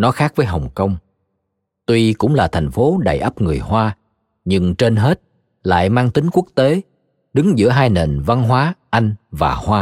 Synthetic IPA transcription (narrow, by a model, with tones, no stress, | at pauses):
nɔ˨˦xaː˦˥k̚vəː˨˦jɦə˨˩wŋ͡mkə˧wŋ͡m | t̪wi˧kʊ̰˧˥ŋ͡mlaː˨˩t̪ʰa˨˩jŋ̟fo˨˦ɗa̰ː˧˨jʔaː˦˥p̚ŋɨ˨˩əjhwaː˧ | ɲɨ˧ŋt͡ɕe˧nɦe˦˥t̚ | la̰ː˧˨jmaː˧ŋt̪ï˨˦ŋ̟ku˦˥ək̚t̪e˨˦ | ɗɨ˨˦ŋzɨ̰˧˥əɦaː˧jne˨˩nva˧nɦwaː˨˦ʔa˧jŋ̟vaː˨˩hwaː˧